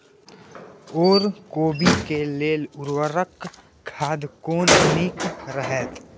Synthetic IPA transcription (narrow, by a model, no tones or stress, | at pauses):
oːɾkoːbikeleːlʊɾwəɾək | kʰaːd̪koːnniːkɾəɦɛt̪